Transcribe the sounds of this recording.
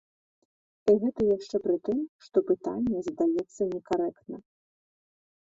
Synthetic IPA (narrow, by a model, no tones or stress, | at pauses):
iɣɛt̪ɐjaʂt͡ʂɛpɾɨt̪ɨmʂt̪ɔpɨt̪a̰nʲːɛzd̪ajɛt̪sːɐnʲɛkaɾɛkt̪nɐ